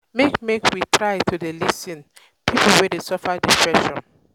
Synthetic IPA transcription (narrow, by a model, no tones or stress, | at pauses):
mekmekʰwitʰɹaɪtʰudelisĩn | pʰipulwɛdesɔfadipʰɹɛʃɔ̰̃n